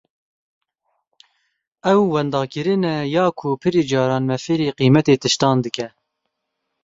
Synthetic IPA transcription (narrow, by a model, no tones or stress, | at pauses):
ɛwːɛnd̪ɑːkɨɾɨnɛjɑːkʰʊpʰɨɾiːd͡ʒɑːɾɑːnmɛfeːɾiːqiːmɛt̪eːt̪ɨʃt̪ɑːnd̪ɨkɛ